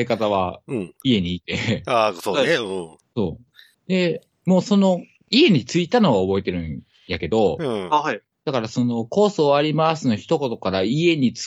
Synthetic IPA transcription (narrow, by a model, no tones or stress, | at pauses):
ekat̪aβ̞aie̞ɲ̟iːt̪e̞asõ | so̞̰ː | d̪e̞ | mo̞ːso̞no̞ | ie̞ɲ̟it͡sɨit̪ano̞βaobo̞et̪e̞ɾɯ̟̃ | jake̞d̪o̞ | d̪̥akaɾasono̞ko̞ːsoːaɾʲimasɨnoçi̥t̪o̞ko̞t̪o̞kaɾaie̞ɲ̟it͡s